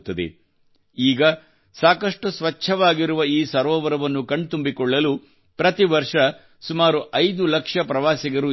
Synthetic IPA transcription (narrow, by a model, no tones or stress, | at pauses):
t̪ːɐd̪ḛ | iːɡɐ | saːkɐʂʈusʋɐt͡ʃʰːɐʋaːɡiɾuʋɐiːsɐɾɔːʋɐɾɐʋɐnːukɐɳɖt̪umbikɔɭːɐlu | pɾɐt̪iʋɐɾʂɐ | sumaːɾuʔɐjd̪ulɐkʂɐpɾɐʋaːsiɡɐɾu